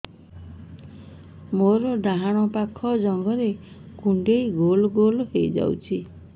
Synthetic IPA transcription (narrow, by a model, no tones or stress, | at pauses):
moɾɔɖaɦaɽ̃ɔpakʰɔd͡ʒɔŋɡɔɾe | kuɳɖejɡolɔɡolhejd͡ʒa̰wt͡ʃʰi